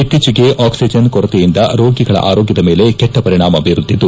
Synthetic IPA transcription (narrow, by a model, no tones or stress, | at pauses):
it̪ːit͡ʃiɡe̞ʔaːksid͡ʒɐnkɔɾɐt̪ejind̪ɐɾoːɡiɡɐɭɐ̰ʔaːɾoːɡjɐd̪ɐme̞ːle̞kɛʈːɐpɐɾiɳaːmɐbʱiɾud̪ːid̪u